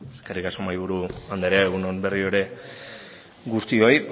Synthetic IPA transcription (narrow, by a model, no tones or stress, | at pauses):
eskarikaso̞majβ̞uɾuand̪eɾeaeɣ̞unonbe̞rio̞ɾe̞ | ɡust̪io̞j